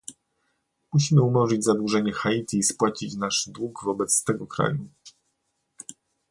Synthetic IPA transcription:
muɕimɘumɔʐɘd͡ʑʲzad̪wuʐɛɲɛxait̪ʲiːspwat͡ɕit͡ɕnaʂd̪wuɡvɔbɛt̪st̪ɛɡɔkɾa̰ju

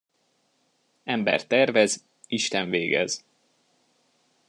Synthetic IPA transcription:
ɛmbɛ̰rt̪ɛrvɛz | iʃt̪ɛɱveːɡɛ̰z̥

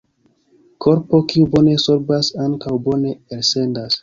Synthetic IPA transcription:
kʰo̞ɾpo̞kiubo̞ne̞so̞ɾbasaŋkawbo̞ne̞elsendas

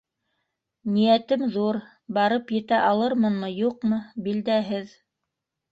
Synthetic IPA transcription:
nijæt̪ɘmðuɾ | bɑɾɤpjɘ̆t̪æʔɑlˠɤɾmɤnmɤjuqmɤbild̪æɦɘð

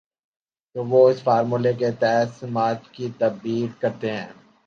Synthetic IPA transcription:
t̪oːʋoɪsfaːɾmuleket̪ɛːsmaːt̪kit̪ɐbbiːlkɐɾt̪eɦɛ̃ː

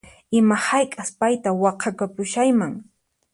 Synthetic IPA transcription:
ɪmahajkʼaspajt̪awɑqʰɑkapʊʃajmaŋ

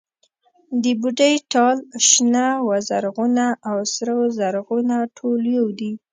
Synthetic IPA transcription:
d̪əbuɖəjʈɑlʃnawazaɾɣunaʔːwsɾawzaɾɣunaʈʰoljowd̪i

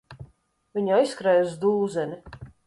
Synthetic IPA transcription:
vʲiɲaiskɾajuzd̪uːzɛni

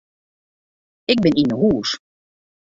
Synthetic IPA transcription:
ɪk̚bɪninəɦuːs

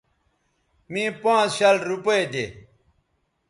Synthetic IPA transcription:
mĩːpãːt͡sɕɐlɾupɐed̪ḛː

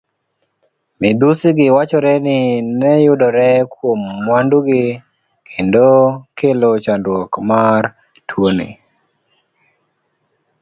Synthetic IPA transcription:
mɪd̪usɪɡɪwat͡ʃɔɾɛnɪnɛjʊdɔɾɛkwomːwanduɡɪ | kʰendokelot͡ʃandwokmar | tʰwonḭ

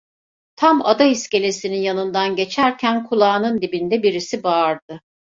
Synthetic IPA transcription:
t̪ʰama̰d̪aisce̞lʲe̞sininjanɯnd̪anɟe̞t͡ʃʰæɾcʰænkʰulˠaːnɯnd̪ibind̪ɛbiɾisibaːɾd̪̥ɯ

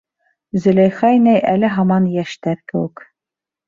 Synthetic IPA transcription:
zɵ̆læjχɑjnæjʔælɘɦɑmɑnjæʃt̪æɾkɘ̆wɘk

